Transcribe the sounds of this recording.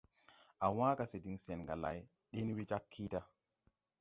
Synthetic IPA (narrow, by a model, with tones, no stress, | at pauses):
a˨wã˦ka˨se˨di˨ŋse˨nɡa˨la̰˨j | ɗe˦n˦wi˦d͡ʒa˦kʰːi˦ta˦